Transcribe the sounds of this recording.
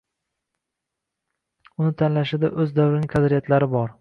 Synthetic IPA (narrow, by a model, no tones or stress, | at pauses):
ʊnɪt̪ʰanlaʃɪd̪aʔɵzd̪awɾɪnɪŋʲkʰad̪ɾijat̪laɾɪbɒɾ